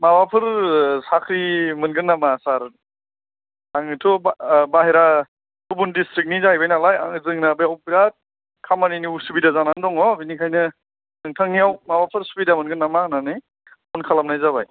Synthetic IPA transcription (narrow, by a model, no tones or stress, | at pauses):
mabapʰɯɾsakʰɾimɯnɡɯnːamasaɾ | aŋitʰɔbaɦeɾa | tʰubundistɾik̚nizajbajnalaja̰ŋzɯŋnabajawpiɾat̚ | kʰamaniniusubidazanandɔŋɔbinikʰajnɯ | nɯŋtʰaŋijawmabapʰɯɾsubidamɯnɡɯnːamananɯj | ɔnkʰalamnajzaβa̰j